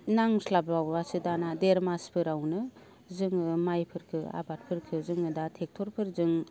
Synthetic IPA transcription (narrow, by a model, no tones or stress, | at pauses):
naŋslabɾawwasɯdanadeɾmaspʰɯɾawnɯ | zɯŋɯmajpʰɯɾkʰɯa̰bat̚pʰɯɾkʰɯzɯŋɯdatʰek̚tʰɔɾpʰɯɾzɯŋ